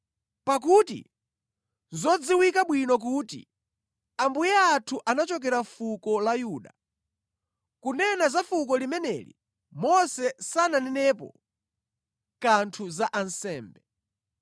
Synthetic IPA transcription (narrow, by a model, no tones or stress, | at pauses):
pak̬utḭ | zɔd͡ziwikaɓwinɔk̬uːtḭ | ambujɛatʰuʔanat͡ʃɔk̬ɛɾafukɔlajuːɗa | kunɛnazafuk̬ɔlimɛnɛ̰lḭ | mɔsɛsananɛnɛːpɔ̰ | kantʰuzaʔansɛːmbɛ